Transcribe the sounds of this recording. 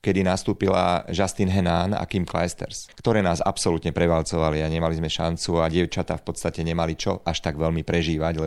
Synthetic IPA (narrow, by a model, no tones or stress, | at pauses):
kɛd̪inast̪uːpila̰ʒast̪inɦɛnaːna̰kimkla̰jst̪ɛ̰ɾskt̪ɔɾɛːnaːza̰psɔlut̪ɲɛpɾɛʋalt͡sɔʋaliaɲɛmalizmɛʃant͡suaɟɪɛʊt͡ʃat̪aːfpɔt̪st̪acɛɲɛmalit͡ʃɔʔaʃt̪aɡʋɛlmipɾɛʒiːʋaɟlɛ